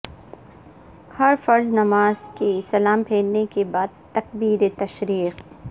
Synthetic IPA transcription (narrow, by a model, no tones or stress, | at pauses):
hɐɾfɐɾznɐmaːzkisɐlaːmpʰeːlnekebaːd̪̚t̪ɐk̚biːɾet̪ɐʃɾiːq